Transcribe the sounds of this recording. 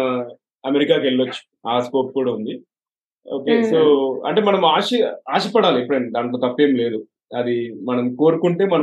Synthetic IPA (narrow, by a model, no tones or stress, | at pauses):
ɐmeɾikaːkeɭːɐt͡ʃːu̥ | aːsko̞ːp̚kuːɽaːund̪i | oːkeːsoːɐ̰ɳʈe̞ːmɐnɐmaːʃiaːʃipɐɽaːliepːuɽɐɳɖid̪aːɳʈloːt̪ɐpːe̞ːmle̞ːd̪u | ɐd̪imɐnɐmko̞ːɾukuɳʈe̞ːmɐnɐ